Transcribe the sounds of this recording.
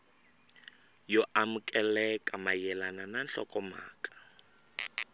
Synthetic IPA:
jɔʔamʊkʼɛlɛkʼamajɛlanananɬɔkɔma̰ːkʼḁ

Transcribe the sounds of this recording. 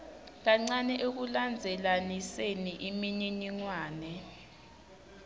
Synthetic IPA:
k̬aŋ͡ǀanɛʔek̬uland͡zʱɛlaniseniʔimiɲiɲiŋwaːnɛ

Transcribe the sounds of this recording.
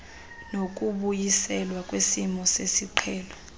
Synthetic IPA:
nok̬ʼuɓujisɛlwak̬ʼwesimɔsesiǃʰɛːlɔ

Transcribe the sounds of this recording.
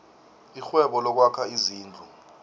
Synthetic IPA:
ixwɛɓɔlɔk̬wakʰaiziːnd͡ɮʱu

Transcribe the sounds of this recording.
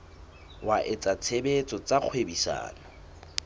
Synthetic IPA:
wʔaʔɪt͡sat͡sʰebet͡sʼɔt͡sʼaq͡χʰwebisa̰ːnɔ

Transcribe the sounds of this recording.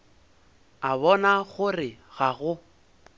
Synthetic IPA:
aβɔnaɣʊrɪɣaɣʊ

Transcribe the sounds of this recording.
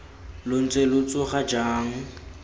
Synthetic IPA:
lʊn̩t͡sʼelʊt͡sʼʊχad͡ʒaːŋ̩

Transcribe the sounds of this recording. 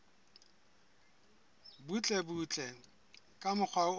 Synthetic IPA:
but͡ɬʼɛbut͡ɬʼɛ | kʼamʊk͡xʰwaʊ

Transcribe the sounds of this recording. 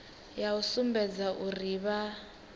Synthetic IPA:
jausumbɛd͡zaʔuriβa

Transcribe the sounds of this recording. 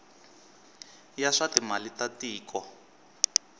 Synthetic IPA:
jaʂatimalitatiːkɔ

